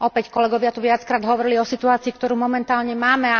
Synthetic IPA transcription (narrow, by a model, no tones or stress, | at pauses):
ʔɔpɛckɔlɛɡɔʋɪat̪uʋɪat͡skɾaːd̪ɦɔʋɔɾiliɔsit̪uaːt͡siːkt̪ɔɾuːmɔmɛnt̪aːlɲɛmaːmɛa